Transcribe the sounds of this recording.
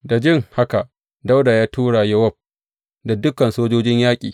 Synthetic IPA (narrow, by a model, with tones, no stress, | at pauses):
da˨d͡ʒɪ˦ŋha˦ka˨ʔ | da˦wda˨jaː˦tʰuː˦ɽa˨jɐ˦wɐ˦˨b̚ | da˨dʊ˦kɐ˨nsoː˦d͡ʒoː˦d͡ʒɪ˦ɲjaː˦kʲʼḭː˨